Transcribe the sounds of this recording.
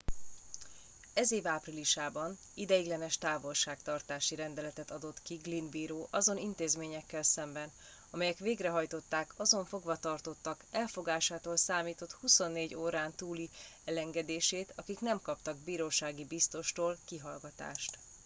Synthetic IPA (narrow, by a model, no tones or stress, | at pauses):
ɛzeːvaːpriliʃaːbɒn | id̪ɛjiɡlɛnɛʃt̪aːvo̞lʃaːkt̪ɒrt̪aːʃiɾɛnd̪ɛlɛt̪ɛt̪ɒd̪o̞t̪kiɡlinbiːɾoːʔɒzo̞nint̪eːzmeːɲɛkːɛlsɛmbɛn | ɒmɛjɛkʋeːɡrɛɦɒjt̪o̞t̪ːaːkɒzo̞ɱfo̞ɡʋɒt̪ɒrt̪o̞t̪ːɒkɛlfo̞ɡaːʃaːt̪oːlsaːmiːt̪o̞t̪huso̞nːeːɟoːɾaːnt̪uːliɛlɛŋɡɛd̪eːʃeːt̪ɒkiknɛmkɒpt̪ɒɡ̚biːɾoːʃaːɡibist̪o̞ʃt̪oːlkiɦɒlɡɒt̪a̰ːʃt̪